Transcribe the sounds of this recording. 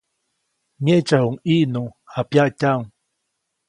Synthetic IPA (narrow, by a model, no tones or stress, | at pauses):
ɲet͡ʃahuŋiʔnuhapjaʔcʲaŋ